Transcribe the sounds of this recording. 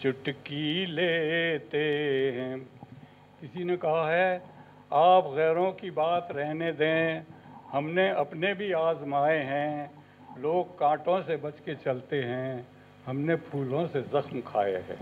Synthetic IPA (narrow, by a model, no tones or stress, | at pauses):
t͡ʃʊʈkileːt̪eɦɛ̃ː | kɪsinekɐɦaɦɛ | aːpɣɛːɾõkibaːt̪ɾɛɦned̪ẽːhɐmneɐpnebʱiaːzmaːeɦɛ̃ | loːɡ̚kãːʈõsebɐt͡ʃket͡ʃɐlt̪eɦɛ̃ | hɐmnepʰuːlõsezɐxmkʰa̰ːjḛɦɛ̰̃ː